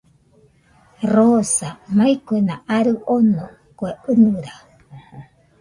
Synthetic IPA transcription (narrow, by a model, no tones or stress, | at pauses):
rosamaikuenaʔaɾɨʔono | koeɨnuɾa